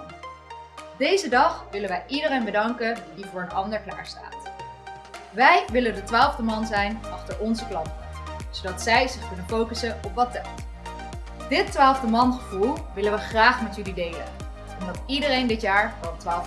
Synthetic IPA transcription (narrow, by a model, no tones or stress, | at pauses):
dejzədɑχʋɪlənʋɛjʔidərejnbədɑŋkədivʊːɹənɑndəɹkla̰ːɹsta̰ːt | ʋɛjʋɪləndətʋaːlˠvdəmɑnzɛjnɑχtəɹʔɔnzəklɑntəz̥owdɑtsɛjzɪχkɵnənfowkəsəɔpʋɑtɛlˠt | d̥ɪtːʋaːlˠvdəmɑnχəvulˠʋɪlənʋəχraːχmɛtjɵlidejlə̰n | ɔmdɑtidərejndɪtjaːɹʋɔltʋaːl